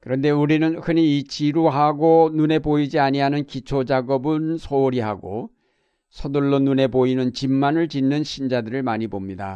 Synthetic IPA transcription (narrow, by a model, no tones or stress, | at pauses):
kɯɾʌnde̞uɾinɯnhɯɲiːt͡ɕiɾoɦaɡonune̞poid͡ʑiaɲiɦanɯnkit͡ɕʰod͡ʑaɡʌbɯnsʰoːɾiɦaɡo̰ | sʰʌduɭːonune̞boinɯnt͡ɕimːanɯɭt͡ɕinːɯnɕʰind͡ʑadɯɾɯɭmaɲibomɲida